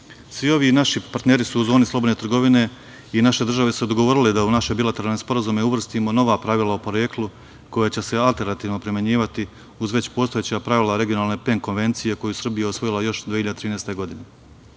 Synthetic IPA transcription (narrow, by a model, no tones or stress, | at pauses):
sʋio̞ʋinaʃipaɾt̪neːɾisuuzoːnislˠobod̪net̪ɾrɡo̞ʋine̞ | inaʃe̞d̪r̩ʒaʋe̞sud̪oɡo̞ʋo̞ːɾiled̪aunaʃebilat̪eɾalnespo̞ɾazumeuʋr̩st̪imo̞no̞ʋaːpɾaʋilˠaopo̞ɾeklˠu | ko̞jat͡ɕe̞se̞alˠt̪e̞ɾnat̪iːʋno̞pɾimjeɲiːʋat̪i | uzʋe̞t͡ɕpo̞ːst̪ojet͡ɕapɾaʋilaɾe̞ɡijo̞naːlˠne̞peŋkonʋe̞nt̪sije̞ko̞jusr̩bijaeosʋo̞jilˠajo̞ʃd̪iːçiʎad̪t̪ɾiːnest̪e̞ɡo̞d̪ine̞